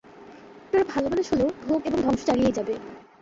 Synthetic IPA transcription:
ʈoɾebʱalobaneʃoleobʱomeboŋd̪ʱɔŋʃot͡ɕaɽijed͡ʑabe

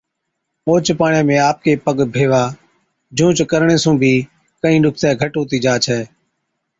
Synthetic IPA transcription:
oːt͡ʃpaːɳẽːmẽːaːp̚keːpəɠbʱeːʋaː | d͡ʒũːt͡ʃkəɾɳẽːsũːbʱiː | kəĩːɗʊk̚ʰt̪ɛːɡʱəʈoːt̪iːd͡ʒaːt͡ʃʰɛː

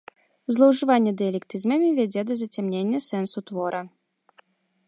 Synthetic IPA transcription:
zlˠɐwʐɨvanʲːɛd̪ɨjɐlʲɛkt̪ɨzmɐmʲivʲad͡zʲɛd̪ɐzɐt͡sʲamnʲenʲːɐsɛnsut̪vɔɾʔɐ

